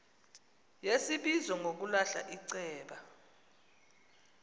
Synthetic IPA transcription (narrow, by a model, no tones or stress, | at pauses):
jesiɓizɔŋʱok̬ulaɬa̰ʔiǀɛːɓa